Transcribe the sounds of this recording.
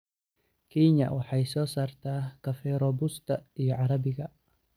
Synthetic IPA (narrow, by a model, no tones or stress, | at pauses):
kiɲa̰ʔwaħajsɔsart̪akafɛɾɔbust̪aʔiʕaɾabikaʔ